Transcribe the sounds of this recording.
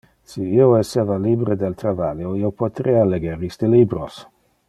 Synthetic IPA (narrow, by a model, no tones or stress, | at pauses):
siioesevalibɾed̪elt̪ɾavaljoiopot̪ɾealeɡeɾisd̪elibɾos